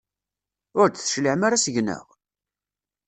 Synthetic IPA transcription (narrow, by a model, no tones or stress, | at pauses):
ʊɾθʃləʕmaɾasʝnə̰ʁ